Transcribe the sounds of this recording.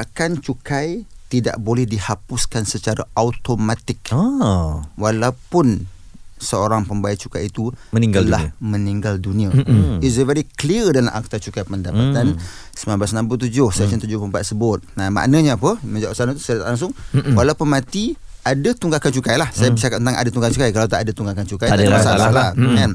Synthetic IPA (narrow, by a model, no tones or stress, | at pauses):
akant͡ʃukajt̪ida̰ʔbolɛhdihapʊskansət͡ʃaɾaʔaut̪omat̪ɪk | walawpʊn | səoɾaŋpəmbaɪt͡ʃukajit̪uəiŋɡaəlahmə̃nĩŋɡaldunĩaɪz̬evɛɾikliədalamʔa̰k̚t̪at͡ʃukajpəndapat̪an | səmanblasnambut̪̬ud͡ʒʊhsaat͡ʃant̪ud͡ʒʊhpəmpat̪səbʊt̪̚nama̰ʔnəɲaːpəmə̃ɲd͡ʒaʔsanat̪u̥saat̪alaŋsʊŋwalawpunmãt̪i | adat̪uŋɡakant͡ʃukajlahsajabəsakat̪̚ənt̪aŋʔa̰dat̪uŋɡaknt͡ʃukajkalawt̪aʔadat̪uŋɡakant͡ʃukajtadamasalalakan